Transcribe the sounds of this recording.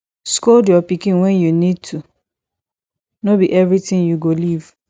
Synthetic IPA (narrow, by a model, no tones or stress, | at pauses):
skodjɔpikĩnwɛ̃njunid̚tʰu | nobiʔɛvɹitĩnjuɡoliv